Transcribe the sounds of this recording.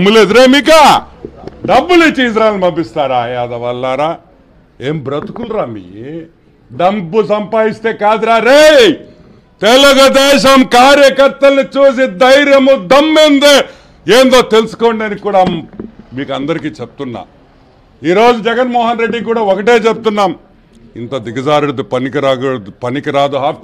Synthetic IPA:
ɐmuleːd̪uɾeːmiːk̬a | ɖɐbːulit͡ʃːiis̬ɾaːjlnibɐbist̪aːɾa̰ːad̪ɐʋɐlːaːɾaː | eːmbɾɐt̪i̥kulɾaːmḭː | ɖɐmbusɐmpaːdist̪e̞ːkaːd̪iɾaːɾej | t̪ɛluɡɐd̪ɛːʃɐmkaːɾjɐkɐɾt̪ɐlɐnit͡ʃuːs̬id̪ɐjɾjɐmud̪ɐmːend̪eː | eːnd̪o̞ːt̪e̞lusu̥ko̞ːɳɖɐnikːuːɽaːmiːkɐnd̪ɐɾikiːt͡ʃep̚t̪unːa̰ː | iːɾo̞ːd͡ʒud͡ʒɛɡɐnmɔːɦɐnɾe̞ɖːikuːɽaːokɐʈe̞ːt͡ʃeb̚t̪unːaːm | ḭnt̪ɐd̪iɡɐd͡ʒaːɾuɽd̪upɐnikiɾaːɡud̪upɐnikiɾaːd̪uɦaːp̪

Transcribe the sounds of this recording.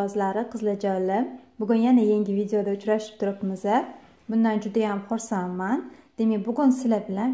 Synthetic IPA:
ɒzlaɾɪqʰɨzlˠad͡ʒalɪmbʊɡʲʊnjanajeŋɡʲɪvid̪ejo̞d̪aʊt͡ʃɾaʃɪ̥p̚t̪ʰʊɾɪpmɪza | bʊnd̪and͡ʒʊd̪ajamχoɾsamand̪̥emebʊɡʊnsɪlabɪlan

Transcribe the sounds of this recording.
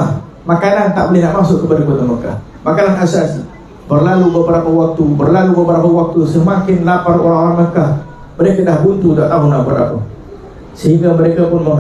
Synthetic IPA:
a | makanant̪aʔbolɛhnaʔmasʊʔkəpadakot̪aməka̰h | makananasasi | bərlalubəbəɾapəwak̚t̪ubərlalubəbəɾapəwak̚t̪usəmakɪnlapaɾoɾaaŋməkah | məɾekadahbunt̪udat̪aɦʊnabə̰ɾa̰pə | səɦiŋɡaməɾekapʊnmə

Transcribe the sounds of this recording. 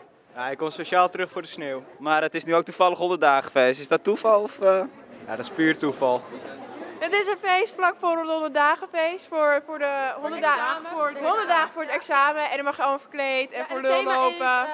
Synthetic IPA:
jaɪkɔmspeʃaːlˠtərɵxfoːɹdəsneːwmarətɪsnyowk̚tufɑlˠəχɦɔndətdaːχə̥feːstɪsdɔtufɑlˠɔfə | ja̰dɔtspyːrtufɑlˠ | ɦətɪs̬ənfejstflɑkfʊːɾənɦɔndədaːχəfejstfʊɹfʊːɹdəɦɔndəaɦɔndədaːχəfʊːɹədɛksaːməʔɛndɔmɑχjəɑlˠmɑlˠfəɹklejtɛnfʊːɹlølowpə

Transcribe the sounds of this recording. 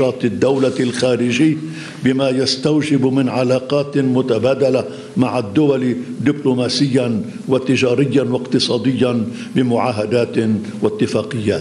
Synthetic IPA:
ɑːt̪ˤɪd̪ːawlalxaːɾɪʒɪjː | bɪmajast̪awd͡ʒɪbmɪnʕalaːqɑːt̪mʊt̪abaːd̪ala | maʕad̪ːʊwald̪ɪblʊmaːsɪjːan | wat̪ɪd͡ʒaːɾɪjːanwaqt̪ɨsˤɑːd̪ɪjːan | bɪmʊʕaːɦad̪aːt̪ | wat̪ːɪfaːqɪjːa̰ːt̪

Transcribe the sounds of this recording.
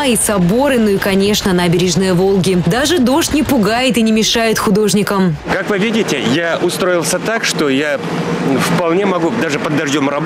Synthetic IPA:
isɐbo̞ɾɨnuikɐnʲe̞ʂnənabʲɪɾʲɪʐnɨjəvo̞lˠɡʲɪd̪aʐɨd̪o̞ʂt̪ʲnʲɪpʊɡajɪt̪ɨnʲɪmʲɪʂajɪt̪xʊd̪o̞ʐnʲɪkəmkakvɨvʲidʲɪtʲɪjaʔʊst̪ɾoɪlˠsʲət̪akʂt̪oja | fpɐlˠnʲemɐɡud̪aʐɨpəd̪ːɐʐjʲomrɐb

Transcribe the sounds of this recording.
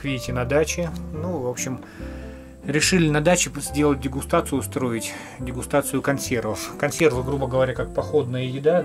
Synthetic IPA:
vʲiɪtʲɪnɐd̪at͡ɕɪnuvo̞pɕɪm | ɾʲɪʂɨlʲɪnɐd̪at͡ɕɪzʲdʲe̞lˠət̚ʲdʲɪɡʊst̪at̪sɨjʊst̪ɾo̞ɪtʲ | dʲɪɡʊst̪at̪sɨjʊkɐnsʲe̞rvəfkɐnsʲe̞rvɨɡɾubəɡəvɐɾʲakak̚pɐxo̞d̪nəjəjɪd̪a

